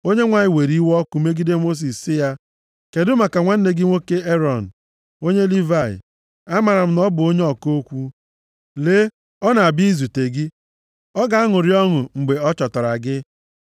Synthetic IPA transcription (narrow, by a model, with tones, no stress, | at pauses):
o˦ɲe˦ŋʷa˨ɲɪ˦˨we˨ɾi˦wɔ˦kʊ˨me˦ɡi˦de˦mo˦s̬i˨sːɪ˦ja˦ | ke˨dʊ˦ma˨ka˨ŋʷa˦n̩˦ne˦ɡɪ˦ŋʷo˦ke˦e˦ɾɔ˨n̩˨ | o˦ɲe˦li˦va˦˨ɪ̰˨ | a˦ma˨ɾa˨m̩˦nɔ˦bʊ˨o˦ɲe˦ɔ˦ko˦kʷu˦ | leː˦ | ɔ˦na˨a˨bi˦i˦zu˨te˨ɡɪ˦ | ɔ˦ɡa˨a˦ŋʊ˨ɾi˦ɔ˦ŋʊ˨ŋ͡m̩˨ɡ͡be˨ɔ˦t͡ʃɔ˨tɔ˨ɾa˨ɡɪ˦